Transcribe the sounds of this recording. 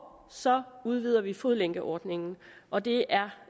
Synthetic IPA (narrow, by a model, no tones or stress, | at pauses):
sɒ̽uð̞ˠʋiðˠɐʋifoðˠleŋ̰ɡ̥əʔɒːd̥ne̝ŋn̩ʔɒ̽d̥e̝æɐ